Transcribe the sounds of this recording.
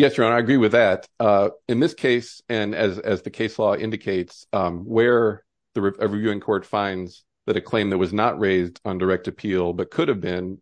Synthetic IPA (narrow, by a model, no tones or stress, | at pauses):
jɛsəɹɑ̃naɪɨɡɹiwɨðɨtʌɨ̃nðɪskʰeɪsɨ̃nɨzɨzðɨkʰeɪslɔɪ̰̃ndɨkʰeɪtswə˞ | ðɨɹɨʌɹɨvjʉɪ̃ŋkʰɔɹtfãɪ̃ndz̥ | ðɨɾɨkʰl̥ẽɪ̃mðɨt̚wʌznəʔɹeɪzdn̩də˞ɛk̚tɨpʰilˠbʌt̚kʰʊɾɨvbɪ̃n